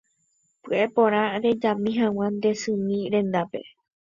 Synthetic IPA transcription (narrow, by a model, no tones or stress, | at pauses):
pɨʔe̞põɾ̃ãɾe̞d͡ʒãmĩɦãw̃ãnd̪e̞sɨ̃mĩɾẽ̞nd̪ape̞